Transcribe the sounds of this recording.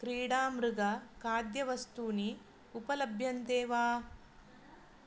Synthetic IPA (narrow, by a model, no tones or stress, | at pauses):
kɾiːɽaːmɾuɡɐkaːd̪jɐʋɐst̪uni | upɐlɐbʱjɐnt̪eːʋaː